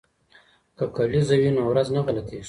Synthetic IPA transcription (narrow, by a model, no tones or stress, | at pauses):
kakalizawinowɾaznaɣalat̪i